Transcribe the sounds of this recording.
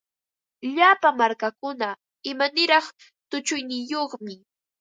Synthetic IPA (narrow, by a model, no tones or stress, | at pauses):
ʎapamaɾkakʊna | ɪmanɪɾɑχ | t̪ʊt͡ʃʊjnɪjoχmɪ